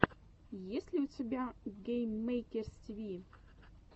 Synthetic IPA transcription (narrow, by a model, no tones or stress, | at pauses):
jesʲlʲiut͡sʰebʲaɡejmːejkʲerstʲivʲi